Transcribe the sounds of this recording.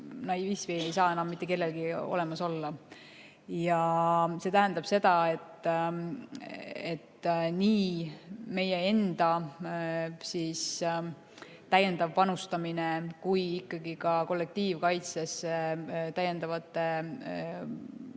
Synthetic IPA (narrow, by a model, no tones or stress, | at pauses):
nɑjivisvinejsɑːe̞nɑmːit̪ːˑeke̞lːe̞lɡ̥io̞̰le̞mɑso̞lːɑ | jɑse̞t̪æɦænd̪̥ɑb̥se̞d̪̥ɑe̞t̪ːˑ | et̪ːniːme̞jee̞nd̪̥ɑ | siːs | t̪æje̞nd̪ɑvpɑnust̪ɑminekujikːɑɡikɑko̞lːe̞k̚t̪iːvkɑjt̪seset̪æjːend̪ɑvɑt̪ˑːe̞